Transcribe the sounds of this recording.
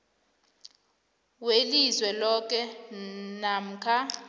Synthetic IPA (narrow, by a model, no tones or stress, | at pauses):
welizwɛlɔk̬ɛ | nam̩kʰa